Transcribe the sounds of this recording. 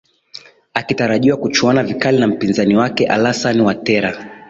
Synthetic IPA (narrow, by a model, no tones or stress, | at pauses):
akitaɾaʄiwakut͡ʃuɔnavikalinam̩pinzaniwakɛʔa̰lasaniwatɛɾa